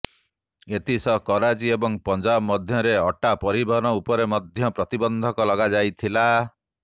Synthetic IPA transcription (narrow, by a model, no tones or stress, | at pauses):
et̪ʰisɔkɔɾad͡ʒiebɔŋpɔnd͡ʒabmɔd̪ʱjɔɾeɔʈapɔɾibʱɔɦɔnɔupɔɾemɔd̪ʱjɔpɾɔt̪ibɔnd̪ʱɔkɔlɔɡad͡ʒajt̪ʰila